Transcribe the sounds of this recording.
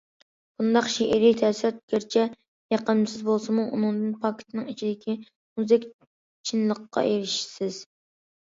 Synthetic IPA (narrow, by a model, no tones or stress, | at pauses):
b̥und̪ɑqʃiʔɪɾit̪ʰɛsɪɾɛt̪̚ɡʲeɾt͡ʃʰɛ | jɑqəmsɪzbolˠsɨmuʔunɨŋd̪ɨnpʰɑkʲʰɪ̥t̪ʰnɨŋit͡ʃʰid̪ɪkʲi | muzɪkʲ | t͡ʃʰinlˠəqːɑ̰ʔeɾɪʃsɪz̥